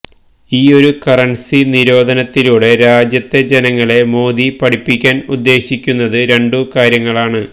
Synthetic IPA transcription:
iːo̞ɾukɐrɐɳsiniɾo̞ːd̪ʱɐnɐt̪ːiluːɽe̞ɾaːd͡ʑjɐt̪ːe̞d͡ʑenɐŋːɐɭe̞mo̞ːd̪ipɐɽipːikʲːaːnud̪ːe̞ːɕikʲːunːɐðɨɾe̞ɳɖukaːɾjɐŋːɐɭaːɳɨ

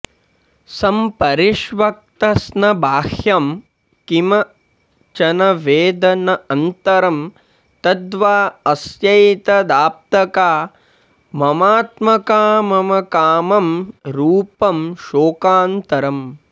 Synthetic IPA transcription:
sɐmpɐɾiʃʋɐk̚t̪ɐsnɐbʱaːhjɐm | kimɐ | t͡ʃɐnɐʋeːd̪ɐnɐɐnt̪ɐɾɐm | t̪ɐd̪ʋaːɐsjɐjt̪ɐd̪aːp̚t̪ɐkaː | mɐmaːt̪mɐkaːmɐmɐkaːmɐmɾuːpɐmʃoːkaːnt̪ɐɾɐm

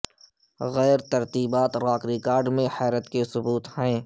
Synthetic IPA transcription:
ɣɛːɾt̪ɐɾt̪iːbaːt̪ɾaːkɾɪkaːɾɖmẽhɛːɾət̪kesʊbuːt̪hɛ̃ː

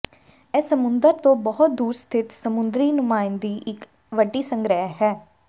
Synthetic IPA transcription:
ɛːsəmʊnd̪əɾt̪õːbəɦʊt̪̚d̪uːɾst̪ʰɪt̪səmʊnd̪ɾiːnʊmaːɪnd̪iːʔɪk | ʋəɖːiːsəŋɡɾəɦɦɛː

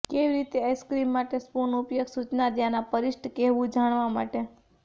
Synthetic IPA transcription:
keʋiɾit̪easkɾimːaʈespunupjəɡsut͡ʃnad̪janapəɾɪʃʈʰkɛɦʋũd͡ʒaɳ̃ʋamaʈe

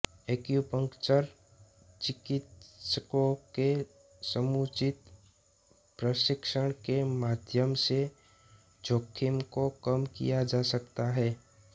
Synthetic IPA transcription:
eːkjupə̃ŋkt͡ʃəɾ | t͡ʃɪkɪt̪səkõke | səmuːt͡ʃɪt̪ | pɾəʃɪkʃəɽ̃kemaːd̪ʱjəmse | d͡ʒʱoːkʰːɪmkokəmkḭjad͡ʒaːsəkt̪aɦɛː

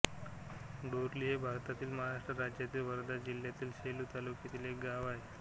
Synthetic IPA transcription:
ɖoɾliɦebʱaɾt̪at̪iːlməɦaɾaʂʈɾəɾad͡ʑjat̪iːlʋəɾd̪ad͡ʑil̤jat̪iːlɕelut̪alukjet̪iːlek̚ɡaʋae

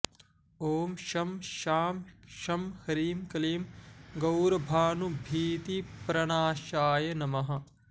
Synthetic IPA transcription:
oːmʃɐmʃaːmʃɐmhɐɾiːmkɐliːmɡɐwɾɐbʱaːnubʱiːt̪ipɾɐɳaːʃaːjɐnɐmɐɦɐ̆

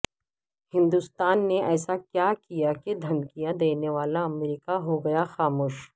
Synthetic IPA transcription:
hɪ̃nd̪ʊst̪aːnːeɛːsakjaːkijaked̪ʱɐ̃nkijad̪eːneʋaːlaɐmɾiːkaɦoɡɐjaxaːmoːʃ

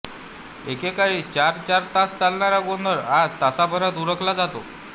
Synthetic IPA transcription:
ekekait͡ɕaɾt͡ɕaɾt̪ast͡salɳaɾaɡonəɾad͡zt̪asabʱəɾat̪uɾəklad͡zat̪o

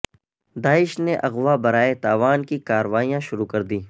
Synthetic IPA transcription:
d̪aːɪʃneʔɐɣʋabɐɾaːet̪aːʋaːnkikaːɾʋaːijãʃʊɾukɐɾd̪iː

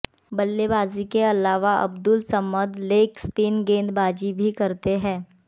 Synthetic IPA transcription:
bɐlːebaːzikeɐlaːʋaʔɐ̰bd̪ʊlsɐməd̪leːkspiːnɡẽːnd̪baːd͡ʒibʱikɐɾt̪eɦɛ̃ː

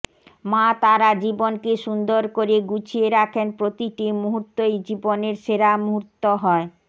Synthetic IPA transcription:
mat̪aɾad͡ʑibonkeʃund̪oɾkoɾeɡut͡ɕʰieɾakʰenpɾot̪iʈimuɦut̪ːojd͡ʑiboneɾʃeɾamuɦut̪ːoɦɔe

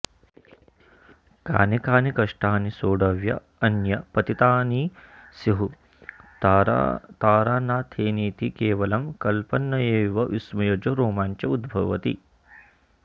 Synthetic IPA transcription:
ka̰ːnekaːnikɐʂʈaːnisoːɖɐʋjɐ | ɐnjɐpɐt̪it̪aːnisiɦu | t̪aːɾaːnaːt̪ʰeːniːt̪ikeːʋɐlɐmkɐlpɐnːɐeːʋɐʔismɐjɐd͡ʒɐɾoːmaːɲt͡ʃɐud̪bʱɐʋɐt̪ḭ

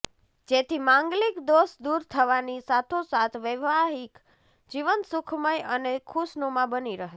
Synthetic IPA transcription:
d͡ʒet̪ʰimãŋɡlikd̪osd̪uɾt̪ʰəʋanisat̪ʰosat̪ʰʋəʋaɦik | d͡ʒiʋənsʊkʰməjənekʰusnomãbəniɾəɦ

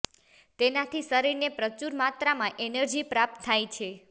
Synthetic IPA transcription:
t̪enat̪ʰisəɾiɾnepɾət͡ʃuɾmat̪ɾamãʔenəɾd͡ʒipɾap̚t̪ʰːajt͡ʃʰe

